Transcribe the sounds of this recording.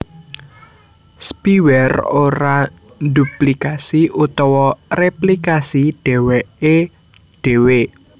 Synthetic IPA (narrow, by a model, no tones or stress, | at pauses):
spiwɛroɾa | nd̪uplikasiʔut̪ɔwɔreplikasiɖ̥e̤wɛʔe | ɖ̥e̤we